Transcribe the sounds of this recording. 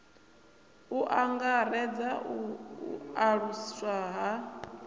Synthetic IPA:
uʔaŋɡaɾɛd͡zaṵ | aɺuswaɦa

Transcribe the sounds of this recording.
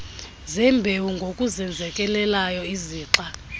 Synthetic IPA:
zɛmbʱewuŋɡʱokʼuzɛnd͡zʱɛkʼɛlɛlajɔiziːǁa

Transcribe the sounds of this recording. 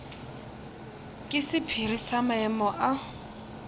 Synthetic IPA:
kʼɪsɪpʰirisamaɛmɔʔa

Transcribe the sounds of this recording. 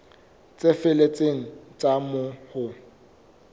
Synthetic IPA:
t͡sʼefɪlet͡sʼeŋ̩t͡sʼamʊhʊ

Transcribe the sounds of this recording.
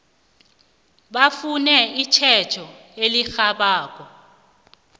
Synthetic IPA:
ɓafunɛit͡ʃʰɛt͡ʃʰɔ | elixaɓaːk̬ɔ

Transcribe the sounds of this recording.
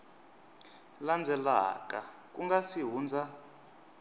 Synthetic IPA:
land͡zʱɛla̰kʼak̬ʼuŋɡasiɦuːnd͡zʱa

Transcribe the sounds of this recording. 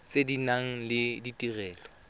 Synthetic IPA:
t͡sʼedinaŋ̩lɪditʼirɛːlɔ

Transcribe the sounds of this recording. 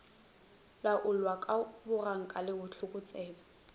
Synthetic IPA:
laʔʊlwakʼabʊraŋ̩kʼalɪʊt͡ɬʰʊkʼʊt͡sʼɛːba

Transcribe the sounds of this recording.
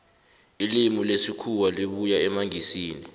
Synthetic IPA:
ilimilesikʰuwaliɓujaɛmaŋisiːni

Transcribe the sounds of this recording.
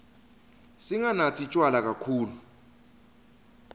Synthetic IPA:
siŋanatʰit͡ʃʼwalak̬ʼakʰuːlu

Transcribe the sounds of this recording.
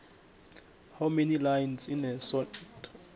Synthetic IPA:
hamenilajnsinɛsɔtʼ

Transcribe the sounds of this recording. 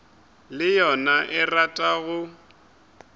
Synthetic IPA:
lɪjɔnaʔɛratʼaɣʊ

